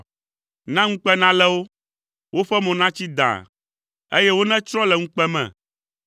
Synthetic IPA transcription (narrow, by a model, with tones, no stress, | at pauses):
nã˦ŋ̩̃˦k͡pɛ˦nã˦lɛ˦wo˦ | wo˦ɸɛ˦mɔ̃˨nã˦t͡ɕi˦d̪ã̰˨ | e˦jɛ˦wo˦nɛ̃˦t͡ʃɾɔ̃˦lɛ˨ŋ̩̃˦k͡pɛ˦mɛ̰̃˨